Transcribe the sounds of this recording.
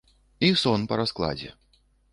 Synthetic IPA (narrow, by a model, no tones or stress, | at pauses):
isɔnpɐɾasklˠa̰d͡zʲɛ̰